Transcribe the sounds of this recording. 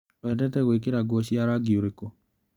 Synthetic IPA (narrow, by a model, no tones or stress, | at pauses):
oɛdɛtɛɣwek̬eɾaɡwɔɕiaɾaɡioɾeko